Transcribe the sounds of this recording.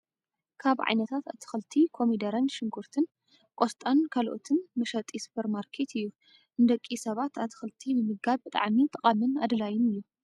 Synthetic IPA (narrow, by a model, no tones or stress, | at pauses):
kʰaβʕa̰jnɐt̪ʰat̪at̪ʰɨ̥xɨlt̪ʰikʰo̞mid̪ɐɾɐnʃɪŋɡuɾt̪ʰɨn | kʷʼost̪ʼankʰalʔo̰t̪ʰɨnmɨʃɐt̪ʼisu̥pʰɐɾmaɾkʰe̞t̪ʰɨjːu | ʔɨnd̪ɐkʼːisɐβat̪ʰat̪ʰɨ̥xɨlt̪ʰinɨmɨɡaβɨt̪ʼa̰ʕmit̪ʼɐkʼamɨnad̪lajɪmɨjːu